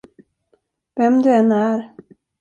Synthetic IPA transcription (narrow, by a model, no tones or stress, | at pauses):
vɛmd̪ɵɛnːæɾ